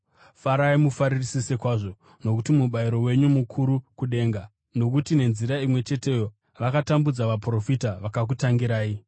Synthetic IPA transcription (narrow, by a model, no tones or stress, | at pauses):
faɾaimufaɾirisise̞kwaːʐo̞ | no̞kutimuɓaiɾo̞we̞ɲumukʰuɾukuɗe̞ːŋɡa | no̞k̬utine̞nziɾaimwe̞t͡ʃe̞te̞jo̞ | ʋakatambud͡zaʋapro̞fitaʋakak̬utaŋɡiɾaːi